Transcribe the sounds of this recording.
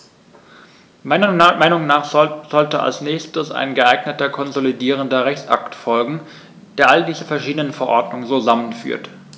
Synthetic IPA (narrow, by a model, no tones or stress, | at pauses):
maɪnɐmaɪnʊŋnaːχz̥ɔltəʔa̰lsnɛːçstəsa̰ɪnɡəʔaɪɡnətɐkʰɔnzolidiːʁ̞əndɐʁɛçt͡sʔa̰ktfɔlɡŋ̩ | d̥eːɐʔalədiːzəfɛɐʃiːdənənfɛɐʔɔɐdnʊŋənzoːzamənfy̰ːɐt